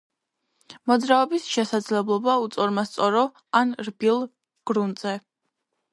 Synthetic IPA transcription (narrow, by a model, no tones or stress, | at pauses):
mɔd̪zɾaɔbisʃɛsad̪zlɛblˠɔbaut̪sʼɔɾmast̪sʼɔɾɔ | anɾbilˠ | ɡ̥ɾund̪zɛ